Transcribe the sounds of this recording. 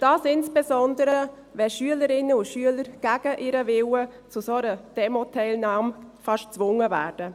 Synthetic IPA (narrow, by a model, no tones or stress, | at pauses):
d̥ɑːsɪnsb̥ɛsɔndəɾəɾə | vɛlʃyələɾɪnːəʊʃyələɾɡ̥æɡ̥əʔɪɾəvɪwət͡sʊsoɾəd̥ɛmotʰɛɪlnɑːmfɑʃt͡sʋʊŋːəvæ̰ːrd̥ə